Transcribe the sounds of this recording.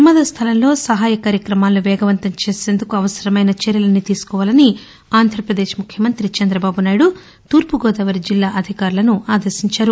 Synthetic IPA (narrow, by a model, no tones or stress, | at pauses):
ɐmɐd̪ɐst̪ʰɐlɐmlo̞ːsɐɦaːjɐkaːɾjɐkɾɐmaːlːuʋɛːɡɐʋɐnt̪ɐmt͡ʃe̞ːse̞ːnd̪ukuɐʋɐsɐɾɐmɐjnɐt͡ʃɛɾjɐlɐnit̪iːsu̥kɔːʋaːlɐni | aːnd̪ʱɾɐpɾɐd̪e̞ːʃmukʰjɐmɐnt̪ɾit͡ʃɐnd̪ɾɐbaːbunaːjɽu | t̪uːɾpuɡɔːd̪ɐʋɐɾid͡ʒilːaːʔɐd̪ʱikaːɾulɐnuaːd̪ɐɾʃiɲt͡ʃaːɾu